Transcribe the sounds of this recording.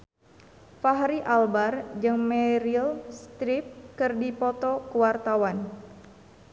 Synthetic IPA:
faɦɾiʔalbard͡ʒɨŋmɛɾilst̪ɾip̚kɨrdipɔt̪ɔkəwart̪awan

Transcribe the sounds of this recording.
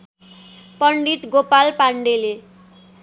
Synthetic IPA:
pʌɳɖit̪ɡopalpaɳɖele

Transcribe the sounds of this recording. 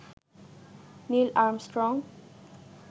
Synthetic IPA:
nilaɾmsʈɾɔŋ

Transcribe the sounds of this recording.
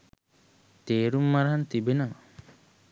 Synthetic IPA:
t̪eːɾumːaɾɐɦant̪ibenɐm

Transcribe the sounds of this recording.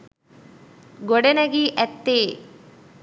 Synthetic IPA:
ɡɔɽenɐɡiʔɛt̪ːeː

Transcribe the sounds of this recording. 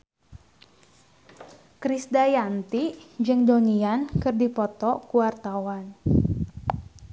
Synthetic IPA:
kɾisdajant̪id͡ʒɨŋdoniankɨrdipɔt̪ɔkuwart̪awan

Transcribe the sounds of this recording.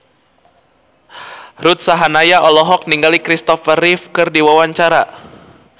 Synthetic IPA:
ɾut̪̚saɦanajaʔɔlɔɦɔk̚niŋɡalikɾist̪ɔfərifkɨrdiwawaɲt͡ʃaɾa

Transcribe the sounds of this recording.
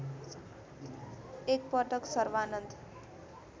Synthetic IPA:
ek̚pʌʈʌksʌɾʋanʌnd̪

